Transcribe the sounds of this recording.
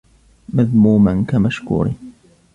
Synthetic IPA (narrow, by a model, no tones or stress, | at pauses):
maðmuːmankamaʃkṵːɾḭ